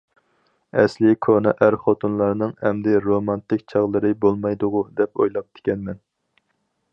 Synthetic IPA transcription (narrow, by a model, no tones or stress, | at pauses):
ɛslɪkʰonɨʔæɾχot̪ʰunlˠɑɾnɨŋhɛmd̪ɪɾomɑnt̪ɪkʲt͡ʃʰɑʁlˠɨɾɨbolˠmɑjd̪ʊʁʊd̪ɛpo̰jlˠɑp̚t̪ʰɪ̥kʲɛnmɛn